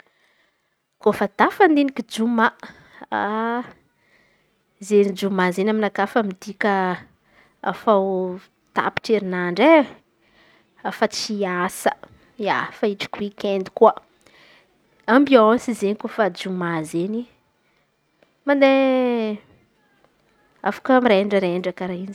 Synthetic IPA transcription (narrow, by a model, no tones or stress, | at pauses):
kofəd̪afand̪inikʲid͡ʒuma | a | zenid͡ʒumazenaminakafəmid̪ikʲə | a̰faw | t̪a̰pi̥ʈ͡ʂeɾinaɳɖ͡ʐe | fat͡siasə | ia̰faiʈ͡ʂi̥kuwikend̪i̥kuə | ambioosizenikufad͡ʒumazeni | mand̪e | a̰fḁkəmɾeɳɖ͡ʐəɾeɳɖ͡ʐakaɾain